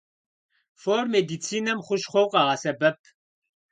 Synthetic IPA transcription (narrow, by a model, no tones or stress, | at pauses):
formed̪it͡sʰinɐmχʷʊʃχʷowqʼɑʁɐsɐbɐp̚ʰ